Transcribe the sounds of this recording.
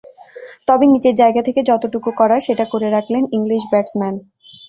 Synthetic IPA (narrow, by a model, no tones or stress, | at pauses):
t̪ɔbenid͡ʑeɾd͡ʑaeɡat̪ʰeked͡ʑɔt̪oʈukukɔɾaɾʃeʈakoɾeɾakʰleniŋliʃbɛʈsmɛn